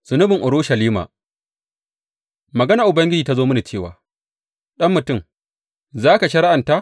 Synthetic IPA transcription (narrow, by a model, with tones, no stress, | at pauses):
z̥ʊ˨nʊ˦bɪ˨ŋʔʊ˨ɾʊ˦ʃɐ˨liː˦ma̰˨ | mɐ˨ɡɐ˦na˨ʔʊ˨bɐ˦ŋɡʲɪ˦d͡ʒiː˨ta˦zoː˦mʊ˦ni˨t͡ʃeː˦˨wa̰ː˨ | ɗɐ˦mːʊ˨tʊ˦˨m | zaː˦ka˨ʃɐ˦ɾa˦ʔa˨nta˦